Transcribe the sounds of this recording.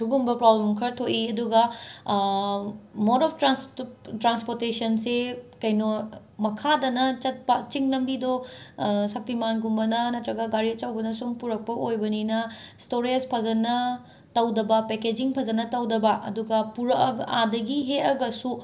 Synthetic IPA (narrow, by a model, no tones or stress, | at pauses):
suɡumbɐpɾoblemkʰɐɾtʰoʔiɐduɡɐ | moɾɔpʰtɾanstɾanspoɾtesɐnsekɐjno | mɐkʰadɐnɐt͡ʃɐt̚pɐt͡ʃiŋnɐmbido | sɐp̚timanɡumbɐnɐnɐt̪ɾɐɡɐɡaɾiɐt͡ʃɐwbɐnɐsumpuɾɐk̚pɐʔojbɐninɐstoɾespʰɐzɐnɐ | tɐwdɐbɐpeked͡ʒiŋpʰɐzɐnɐtɐwdɐbɐʔɐ̰duɡɐpuɾɐɐɡadɐɡiɦetɐɡɐsu